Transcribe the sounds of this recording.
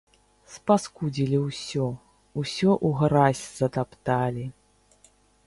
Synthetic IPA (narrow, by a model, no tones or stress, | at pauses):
spaskud͡zʲilʲiwsʲɔ | usʲɔʔuɣɾasʲz̥ɐt̪apt̪alʲi